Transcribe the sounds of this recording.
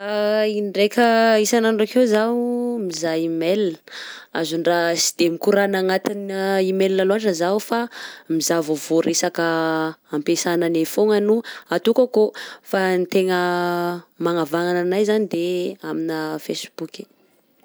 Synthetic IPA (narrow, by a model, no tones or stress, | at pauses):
ainɖ͡ʐekʲʰəisanaɳɖ͡ʐakewzamizajimel | a̰zuɳɖ͡ʐasi̥d̪̥emikuɾanaŋat̪inimellaloaɳʈ͡ʂəzaufamizavovoɾesakəampesananefoŋanuat̪ukakofanit̪eŋə | maŋavaŋananajzanid̪eaminəfḛsb̥uki̥